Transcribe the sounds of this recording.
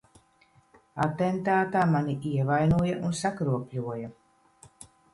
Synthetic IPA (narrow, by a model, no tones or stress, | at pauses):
at̪ent̪aːt̪aːmaniʔiɛvajnuɔjaʔunsakɾuɔpʲlʲuɔja